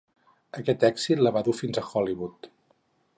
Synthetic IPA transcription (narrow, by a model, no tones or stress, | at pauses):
əkɛt̪ɛksit̪ləβaðufinzəxɔliβut̪